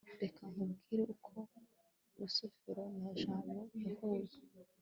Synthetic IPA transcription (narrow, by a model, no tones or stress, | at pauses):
de̞kʰaŋubɡiːɾeʔukʰo̞ | uɾusofiɾo̞naʒaːmbo̞jahuːje